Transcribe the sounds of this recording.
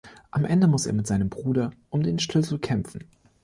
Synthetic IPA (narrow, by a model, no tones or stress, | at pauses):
ʔamʔɛndəmʊsḛːɐmɪtz̥aɪnəmbʁuːdɐʔʊmdeːnʃtʰɪlsl̩kʰɛmfn̩